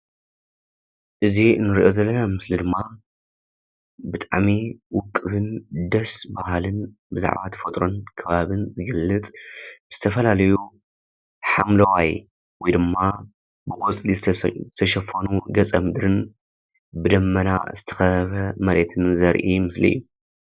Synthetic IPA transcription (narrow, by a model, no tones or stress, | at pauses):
ʔɨzinɨɾiʔo̞zɐlːɐnamɨslid̪ɨmːa | bɨt̪ʼaʕmiwʊkʼːɨβɨnd̪ɐsbahlɨn | bɨza̰ʕbat̪ʰɐ̥fɐt̪ʼɾo̞nkʰɐβaβɨnzɨɡɐlːɨt͡sʼb̥ɨz̥ɨt̪ʰɐfɐlalɐju | ħamlɐwaj | wɔjd̪ɨmːa | bɨɡɔt͡sʼlizɨt̪ʰɐʃɐfɐnuɡɐt͡sʼɐmɨd̪ɾɨn | bɨd̪ɐmːɐna̰z̥ɨt̪ʰɐ̥xɐβɐmɐɾet̪ʰɨnzɐɾʔimɨslḭjːu